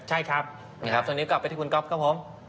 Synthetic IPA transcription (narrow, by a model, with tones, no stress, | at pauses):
t͡ɕʰa˥˩jkʰɾa˦˥p̚ | kʰa˦˥t̪o˧niː˦˥kla˨˩pːjt̪ʰi˥˩kʰu˧nkɔ˦˥p̚kʰa˦˥pʰo˨˩˦m